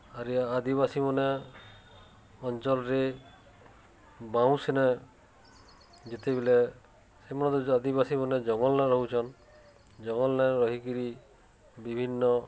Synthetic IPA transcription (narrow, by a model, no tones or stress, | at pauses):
aɾiad̪iβasimɔne | ɔnt͡ʃɔlɔɾe | baw̃sena | d͡ʒet̪ebele | semɔnɔt̪uad̪ibasimɔned͡ʒɔŋɔlnaɾɔɦut͡ʃʰɔn | d͡ʒɔŋɔlnaɾɔɦikiɾi | bibʱinːɔ